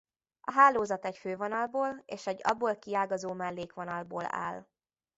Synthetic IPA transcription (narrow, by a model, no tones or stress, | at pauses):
ɒɦaːloːzɒt̪ɛcføːvonɒlboːleːʃɛɟːɒ̰bːoːlkiaːɡɒzoːmɛlːeːkʋonɒlboːla̰ːl